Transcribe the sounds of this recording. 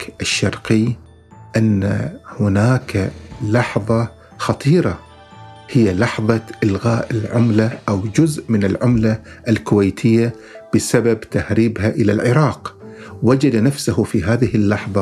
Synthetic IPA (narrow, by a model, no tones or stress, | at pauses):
kʔɪʃːɑɾˤqi | ʔanːa̰hʊnaːkalɑħðˤɑ | xɑt̪ˤiːɾˤɑ | hɪjːalɑħðˤɑʔɪlɣaːʔɪlʕʊmlaʔawd͡ʒʊzʔmɪnɪlʕʊmlaʔlkʊwejt̪ʰɪjːa | b̥ɪsababt̪ahɾiːbhaʔɪlalʕɪɾˤɑːqwad͡ʒad̪anafsahfiɦaːðɪhɪlːɑħðˤɑ